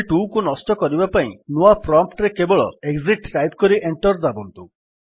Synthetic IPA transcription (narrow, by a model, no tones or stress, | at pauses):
ʈukunɔsʈɔkɔɾibapaḭ̃nuapɾɔmpʈɾekebɔɭɔ̰eɡziʈʈajp̚kɔɾiʔeɳʈɔɾd͡ʒabɔnt̪u